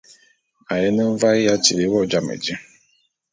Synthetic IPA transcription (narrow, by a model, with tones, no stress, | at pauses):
a˨jɛ˦nə˦m̩˦va˦ɣi˦ja˦t͡ʃi˨le˨˦wɔ˦˨d͡ʒa˦mḛ˨d͡ʒi˦